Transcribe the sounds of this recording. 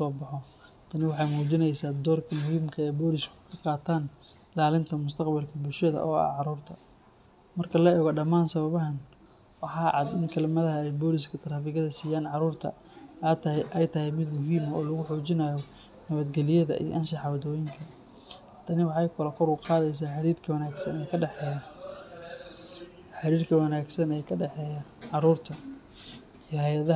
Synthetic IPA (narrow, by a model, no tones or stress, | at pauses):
ʊsɔːbɑħɔ | t̪ʰɐnɪwɑħɑjmuːt͡ʃɪnɛjsaːd̪ɔːrkʰɐmʊhiːmkʰɐɛːbɔːlɪskʰʊ̥kʰɐqɑːt̪ʰaːnlaːlɪnt̪ʰɐmʊst̪ʰɐqbɐlkʰɐbʊlʃɐðɐ̰ʔɔ̰ːɐ̰ʕɑɾuːrt̪ʰɐ | mɐrkʰɐlɐɛːɣɔɖɐmaːnsɐβɐβɐɦɐn | wɑħɑːʕɑd̪ɪnkʰɐlmɐðɐɦɐɛjbɔːlɪskʰɐt̪ʰɐɾaːfɪɣɐðɐsiːjaːnʕɑɾuːrt̪ʰɐ̰ | t̪ʔɛjt̪ʰɐhɛjmɪd̪mʊɦiːmɐɔːlɐɣʊħɔːt͡ʃɪnɐːjɔ | nɐβɐd̪ɡɛlɪjɐðɐ̰ʔḭj̰ʔɐnʃɑħɑwɐðɔːjɪŋkʰɐ | t̪ʰɐnɪwɑħɑjkʰʊlɐkʰɔɾʊqɑːðɛjs̬aːħɑɾiːrkʰɐwɐnaːɡsɐnɛːjkʰɐɖɛħɛj | ħɑɾiːrkʰɐwɐnaːɡsɐnɛːjkʰɐɖɛħɛːjɐʕɑɾuːrt̪ʰɐ | ijɔhɛjɐðɐ